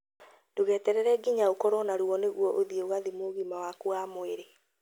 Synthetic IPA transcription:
d̥oɣɛːtɛɾɛɾɛɡiɲaokɔɾɔnaɾuɔneɣwɔʔoðieoɣaðimoɣimawakwamoeɾe

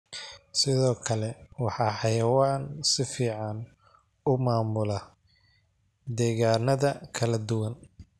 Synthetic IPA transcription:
sɪðɔːkʰɐlɛwɑħɑːħɑjɐwaːnsɪfiːʕɑn | ʊmaːmʊlɐ | d̪ɛːɣaːnɐðɐkʰɐlɐd̪ʊwɐn

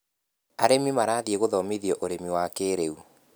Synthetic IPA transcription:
aɾemimaɾaːðieɣoðɔmiðiɔʔoɾemiwakeːɾeu

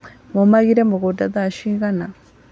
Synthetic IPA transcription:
mumaɣiɾemuɣudaðaʃiːɣana

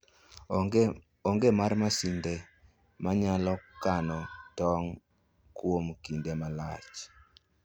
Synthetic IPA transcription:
oŋɡemarmasinde | maɲalɔkanɔtɔŋ | kwomkindemalat͡ʃ

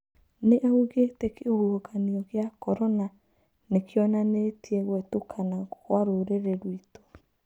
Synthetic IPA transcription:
neʔeuɣetekeoɣokaniɔɣjakɔɾɔna | nekjɔnanetjeɣwɛtokʰanakɣwaɾoɾeɾeɾwito̥

